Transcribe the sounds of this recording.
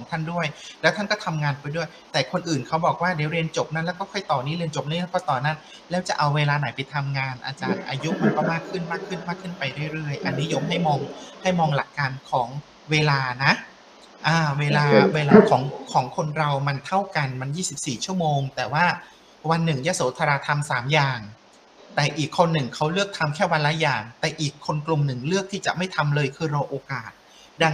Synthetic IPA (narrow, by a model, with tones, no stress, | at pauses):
kʰɔː˩˦ŋt̪ʰa˥˩ndu˥˩əjlɛː˦˥t̪ʰa˥˩nkɔː˥˩t̪ʰa˧mŋaː˧npa˧jdu˥˩əjt̪ɛː˨˩kʰo˧nʔɯː˨˩nkʰa˦˥wbɔː˨˩k̚waː˥˩daː˩˦ɾi˧ənt͡ɕo˨˩p̚na˦˥lɛː˦˥wkɔː˥˩kʰɔ˥˩jt̪ɔː˨˩ni˦˥˩ɾi˧ənt͡ɕo˨˩p̚na˦˥˩kʰɔ˥˩t̪ɔː˨˩naː˥˩n | lɛː˦˥wt͡ɕa˨˩ʔa˧wːeː˧laː˧na˩˦jpa˧jt̪ʰa˧mŋaː˧nʔa̰ː˧t͡ɕaː˧nʔa̰ː˧ju˦˥ʔma˧nkɔː˥˩maː˥˩kʰːɯ˥˩nmaː˥˩kʰːɯ˥˩nmaː˥˩kʰːɯ˥˩npa˧jɾɯ˥˩jɾɯ˥˩əjʔa˧nːi˦˥jo˧mɦa˥˩jmɔː˧ŋha˥˩jmɔː˧ŋla˨˩kːaː˧nkʰɔː˩˦ŋ | weː˧laː˧na˦˥ʔ | ʔaː˧˩weː˧laː˧weː˧laː˧kʰɔː˩˦ŋkʰɔː˩˦ŋkʰo˧nɾa˧wma˧nt̪ʰa˥˩wka˧nma˧njiː˥˩si˨˩p̚siː˨˩t͡ɕʰu˥˩əmoː˧ŋt̪ɛː˨˩waː˥˩ | wa˧nːɯ˨˩ŋja˦˥soː˩˦t̪ʰa˧ɾaː˧t̪ʰa˧msaː˩˦mjaː˨˩ŋ | t̪ɛː˨˩ʔiː˨˩kʰːo˧nːɯ˨˩ŋkʰa˦˥wlɯ˥˩ək̚t̪ʰa˧mkʰɛː˥˩wa˧nla˦˥jaː˨˩ŋt̪ɛː˨˩ʔiː˨˩kʰːo˧nklu˨˩mnɯ˨˩ŋlɯ˥˩k̚t̪ʰiː˥˩t͡ɕa̰˨˩ʔma˥˩jt̪ʰa˧mlɤː˧jkʰɯː˧ɾa˧wʔoː˧kaː˨˩t̪̚ | da˧ŋ